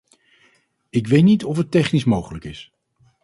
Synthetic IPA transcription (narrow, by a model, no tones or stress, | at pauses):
ɪk̬ʋejtnitɔfətɛχnismowχələkɪs